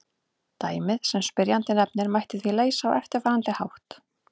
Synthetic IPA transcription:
t̪aːjmɪðsɛmspɪɾjant̪ɪnɛp̚nɪɾmajht̪ɪθvileːjsaawʔɛft̪ɪɾ̥faːɾant̪ɪhawht̪

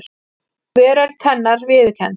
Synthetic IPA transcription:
ɾ̥ | kvɛːɾœlt̪hɛnːaɾvɪðcʰɛn

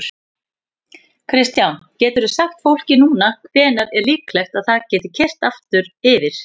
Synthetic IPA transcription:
kʰɾɪst̪jawncɛːt̪ʏɾʏsaxt̪fowl̥cɪnuːnakʰvɛːnaɾɛɾliːklɛxt̪aðθaðcɛːt̪ɪ̥cʰɛr̥t̪aft̪ʏɾɪvɪɾ̥

